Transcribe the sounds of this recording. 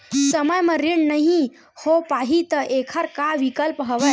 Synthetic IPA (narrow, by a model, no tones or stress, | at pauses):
səməjməɾiɳnəɦĩ | hopaɦit̪əʔekʰəɾkaʋikəlpɦəʋə